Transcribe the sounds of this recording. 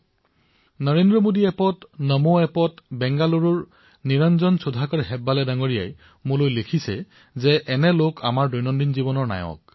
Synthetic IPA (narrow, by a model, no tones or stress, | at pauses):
nəɹendɹɔmodiɛpɔtnəmoɛpɔtbɛŋɡaluɹɔɹ | niɹanzɔnsudʱakɔɹɦɛbːalɛdaŋoɹija̰j | mʊlojlekʰisɛ | zɛʔɛnɛlokʰa̰maɹdojnɔndinzibɔnɔɹna̰jɔ̰k̚